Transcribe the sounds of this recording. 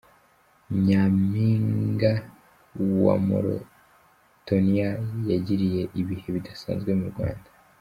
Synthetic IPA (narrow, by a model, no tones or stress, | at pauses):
ɲamiŋɡa | wa̰mo̰ɾo̰ | tonijajaɟiɾije̞ʔiβihe̞βidasa̰ːnzɡwe̞muɾɡwa̰ːndḁ